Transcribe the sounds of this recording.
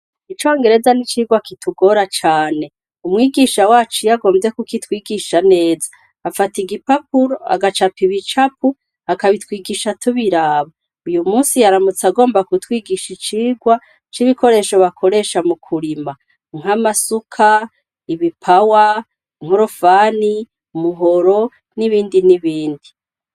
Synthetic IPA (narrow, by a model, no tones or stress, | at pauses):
it͡ʃo̞ːŋɡe̞ɾe̞zanit͡ʃiːɡwakituɡo̞ɾat͡ʃaːne̞ | umŋiːɡiːʃawaːt͡ʃujaɡo̞ːmvze̞kukitwiːɡiʃane̞ːzḁ | afatiɡipap̚uɾoa̰ɡat͡ʃapiβit͡ʃap̚u | akaβitwiːɡiːʃatʰuβiɾaːβa | ujumuːsijaɾamut͡saɡo̞ːmbakutwiːɡiʃit͡ʃiːɡwa | t͡ʃiβiko̞ɾe̞ːʃo̞βakʰo̞ɾe̞ʃamukʰuɾima | ŋ̥amasukʰa | iβipʰawa | ŋ̥hoɾofaːni | umuɦo̞ɾo̞ | niβiːndiniβiːndi